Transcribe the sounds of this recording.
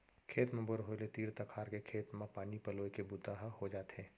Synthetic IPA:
kʰeːt̪mẽbʊɾɦolet̪iːɾt̪ɐkʰaːɾkekʰeːt̪mãpaːnipɐloːikebut̪aɦhod͡ʒaːt̪ɦeː

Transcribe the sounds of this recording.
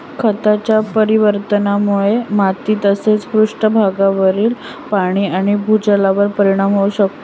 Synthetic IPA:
kʰət̪at͡ɕjapəɾiʋəɾt̪ənamuɭemat̪iːt̪əset͡sfɾuʂʈəbʱaɡaʋəɾiːl | paɽ̃iːaɽ̃ibʱud͡ʑəlaʋəɾpəɾiɽ̃amɦouɕək̚t̪o

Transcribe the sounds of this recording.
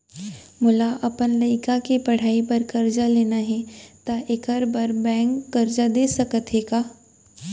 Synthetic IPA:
mʊlaʔɐpənlɐɪkakepɐɽ̤aːipɐɾkɐɾd͡ʒaleːnaɦɛt̪aʔekəɾbɐɾbɛ̃ːŋkːɐɾd͡ʒad̪eːsɐkət̪ɦeːɡaː

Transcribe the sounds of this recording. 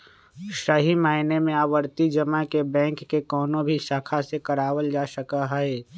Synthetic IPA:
səɦimaːɪnemẽaːwəɾt̪id͡ʒəmakebɛ̃ːŋkːekɔːnõbʱisaːkʰasekəɾaːwəld͡ʒaːsəkaɦɛe

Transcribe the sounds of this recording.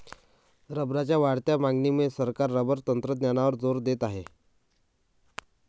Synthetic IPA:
ɾəbɾat͡ɕjaʋaɽt̪jamaŋɡnimesəɾkaɾːəbəɾt̪ənt̪ɾəd̪njanaʋəɾd͡zoɾd̪et̪aɦe

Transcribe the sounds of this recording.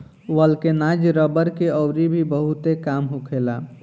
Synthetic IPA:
wəlkenad͡ʒɾəbəɾkeɔʊɾibʱibəɦut̪ekaːmɦukʰela

